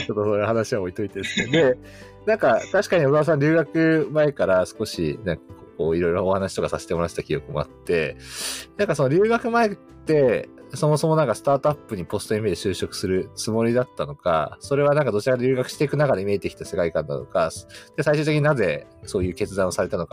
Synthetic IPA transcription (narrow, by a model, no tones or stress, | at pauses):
t͡ɕo̞t̪ːosoːjɯhanaɕiβaoit̪o̞it̪esned̪e̞ | nãŋkat̪aɕi̥kaɲ̟iod̪as̬ãɲɾʲɨːɡakɯ̟mae̞kaɾasɨ̥ko̞ɕḭnãŋkako̞ːiɾo̞jɾo̞ːhanaɕi̥t̪o̞kasase̞t̪emo̞ɾat̪e̥t̪akʲijo̞kɯ̟mo̞a̰t̪ːe̞nãŋkaso̞no̞ɾʲɨːɡakɯ̟mae | t̪ːe̞so̞moso̞mo̞nãŋkasɨ̥t̪aːt̪oapːɯ̟ɲ̟ipo̞sɨ̥t̪oimed̪eɕɨːɕo̞kɯ̟̥sɨɾɯ̟t͡sɨmo̞ɾʲid̪at̪ːano̞ka̰so̞ɾe̞βanãŋkad̪o̞t͡ɕiɾakad̪ɾʲɨːɡakɯ̟ɕi̥t̪e̞ikɯ̟nakad̪e̞mʲieːt̪ːekʲi̥t̪ase̞kaikãnd̪a̰no̞̰kad̪̥e̞saiɕɨːt̪ekʲiɲinaze̞so̞ːjɯ̟ːke̞t͡sɨd̪ãɰ̃osaɾe̞t̪ano̞ka